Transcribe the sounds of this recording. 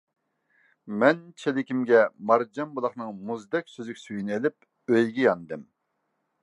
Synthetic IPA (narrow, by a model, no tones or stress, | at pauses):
mɛnt͡ʃʰelɪkʲimɡʲɛmɑɾd͡ʒɑmbulˠɑχnɨŋmuzd̪ɛkʲsøzykʲi̥syjynelɪp̚ | øjɡʲijɑnd̪ɨm